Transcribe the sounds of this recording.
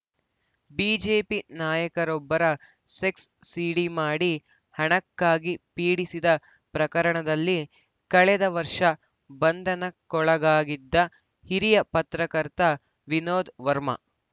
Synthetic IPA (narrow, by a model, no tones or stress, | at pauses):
biːd͡ʒeːpinaːjɐkɐɾɔbːɐɾɐ | seksːiːɽimaːɽi | hɐɳɐkːaːɡipiːɽisid̪ɐ | pɾɐkɐɾɐɳɐd̪ɐlːi | kɐɭɛd̪ɐʋɐɾʂɐ | bɐnd̪ʱɐnɐkɔɭɐɡaːɡid̪ːɐ | hiɾijɐpɐt̪ɾɐkɐɾt̪ɐ | ʋinoːd̪ʋɐɾmɐ̰